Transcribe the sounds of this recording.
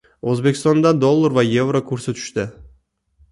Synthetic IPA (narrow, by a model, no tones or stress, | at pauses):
ɵzbe̞kʲʰɪst̪ɔnd̪and̪olˠːaɾvaje̞vɾokʰɵɾsɪt̪ʰʊ̥ʃt̪ɪ